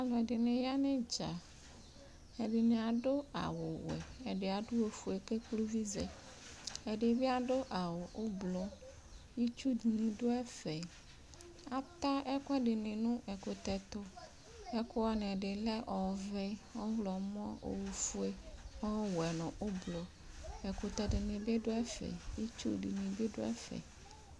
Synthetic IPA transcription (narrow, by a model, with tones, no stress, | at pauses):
a˨lɔ̃˨ɛ˨ɖɪ˨nɪ̃˨ja˦nẽ˦d͡ʒa˨ | ɛ˨ɖɪ˨nẽ˨a˨ɖo˦a̰˨wʊ˨wɛ̰˨ɛ˨ɖɪ˨a˨dʊ˦wo˨fu˨e˨ke˦klu˦vi˦zɛ̰˨ | ɛ˨ɖɪ˨vi˦a˨ɖo˦ʔa˨wo˨ʔo˦blɔ˨ | ji˦t͡ʃu˦di˨nĩ˨do˦ɛ˦fɛ˨ | a˨t̪a˦ɛ˦kɛ˦ɖi˨nĩ˨nũ˦ʔɛ˨ko˨t̪ɛ˨t̪o˦ | ɛ˦ko˦wɔ˦n˨ɛ˨ɖe˨lɛ˦ʔɔ˨vɛ˦wɔ˦vlɔ˨m˦ɔ̃˦o̰˨wu˨fu˦e˦ɔ˦wɛ˨nɔ̃˨ʔo˦blo˨ | ɛ˨ko˨t̪ɛ˨di˨nĩ˨be˦ɖo˦ɛ˦fɛ̰˨ji˦t͡ʃṵ˦dḭ˨nĩ˨be˦ɖo̰˦ɛ̰˦fɛ̰˨